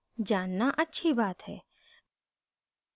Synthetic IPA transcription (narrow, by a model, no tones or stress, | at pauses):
d͡ʒaːnːaʔətːʃʰibaːt̪ɦɛ̰ː